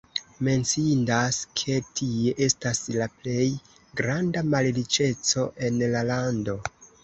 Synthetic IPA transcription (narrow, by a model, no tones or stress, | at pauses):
me̞nt͡sindaskʰe̞tʰie̞ʔe̞staslaple̞j | ɡɾandamallit͡ʃe̞t͡so̞ʔe̞nlalando̞